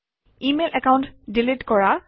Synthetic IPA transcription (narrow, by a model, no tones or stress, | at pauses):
imelʔɛkawʊ̃ntdilitkɔɹa